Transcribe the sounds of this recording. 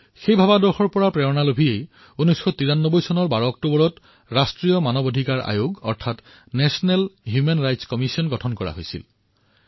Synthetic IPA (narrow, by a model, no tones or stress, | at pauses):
xejbʱabadɔɹxɔɹpɔɹapɹɛɔnalobʱiej | unɔjsxɔtiɹanːɔbɔjsɔnɔɹbaɹɔːk̚tubɔɹɔt | ɹastɹijɔmanɔbodʱikaɹʔa̰joɡɔ̰ɹtʰat | nɛsɔnɛlɦjumenɹajtskɔmisiɔnɡɔtʰɔnkɔɹa̰ɦojsḭl